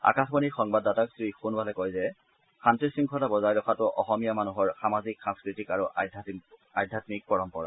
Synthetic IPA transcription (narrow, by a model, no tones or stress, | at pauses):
a̰kaxbɔnixɔŋbadːataksixunbalɛkɔjzɛ | xantɹisiŋkʰɔlabɔzajɹɔxʰatʊʔɔxɔmijamanuɦɔɹxamaziksãmskɹitikaɹuʔadajdʱatmik̚pɔɹɔmpɔ̰ɹa̰